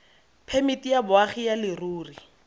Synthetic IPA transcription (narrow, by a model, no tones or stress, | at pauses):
pʰemɪtijabʊaχijalɪruːri